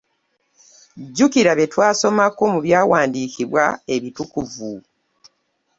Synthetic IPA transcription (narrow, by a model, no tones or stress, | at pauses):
ɟukiɾaβetwaːso̞mako̞muβjaːwaːndiːkʰiβwae̞βitukuvu